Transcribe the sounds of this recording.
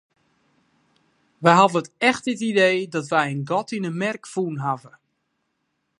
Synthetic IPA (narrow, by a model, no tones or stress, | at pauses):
ʋɛjɦavəətɛxt̚dɪtidejdɔtʋɛjənɡɔtinənmɛrkfuːnɦavə